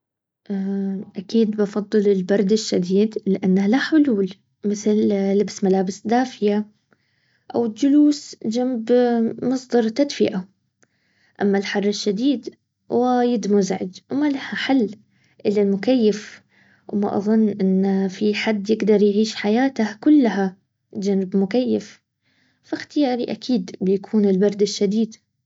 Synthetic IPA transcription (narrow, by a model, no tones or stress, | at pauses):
ʔaʔakiːd̪bɑfɑd̪ˤːɨlɪlbɑɾˤd̪ɪʃːad̪iːd̪lɪʔanːalaħʊluːl | mɪθllɪbsmalaːbɪsd̪aːfɪja | ʔa̰wɪld͡ʒʊluːsd͡ʒambmɑsˤd̪ɑɾˤt̪ad̪fɪʔa | ʔa̰mːalħɑrˤːɪʃːad̪iːd̪ | waɪjɪd̪mʊzʕɪ̰d͡ʒwmalahaħalː | ʔɪlːalmʊkajːɪf | wʔma̰ʔɑ̰ðˤʊnːʔɪnːfiħad̪ːjɪɡd̪ɑɾˤjʕiːʃħajaːt̪ahkʊlːaha | d͡ʒanɪbmʊkajːɪf | faxt̪ɪjaːɾiʔakʰiːd̪bɪjakʰuːnɪlbɑɾˤd̪ɪʃːad̪iːd̪